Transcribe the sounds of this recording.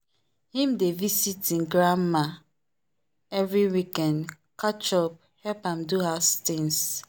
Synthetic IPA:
hĩmdevisitĩnɡɹama | ɛvɹiwikɛ̃nd | kat͡ʃɔp̚ | hɛlpãmduɦastĩns

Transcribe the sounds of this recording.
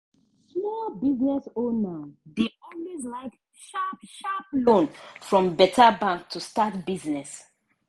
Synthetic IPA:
hɛbiznɛsonadiʔɔnwezlaɪk | ʃapʃaplõnfɹɔ̃mbɛtʰabãŋk̚tʰustatbiznɛs

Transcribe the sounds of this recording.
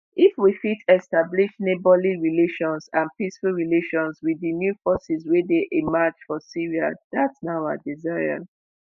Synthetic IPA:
ifwifitʰɛstabliʃnebɔliɹileʃɔ̃nsãnpisfulɹileʃɔ̃nswidinjufɔsiswedeʔemat͡ʃfɔsiɹia̰ðatsnaaa̰dizaa̰

